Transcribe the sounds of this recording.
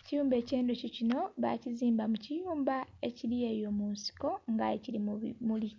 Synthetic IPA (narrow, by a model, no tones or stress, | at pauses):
ecijuːmbe̞ːce̞ːndococino̞βa̰ciziːmbamucijuːmbae̞ciɾije̞jo̞munsi̥ko̞ŋɡa̰ecilimuli